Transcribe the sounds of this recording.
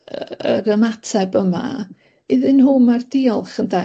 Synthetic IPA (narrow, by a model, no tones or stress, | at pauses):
əɾəmatʰɛbəma̰ | iðɨnhʊmardiɔlˠχənda